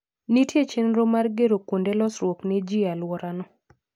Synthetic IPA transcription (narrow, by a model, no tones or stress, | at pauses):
nitjet͡ʃenɾomarɡeɾokondelɔsɾwokned͡ʒialwɔɾanɔ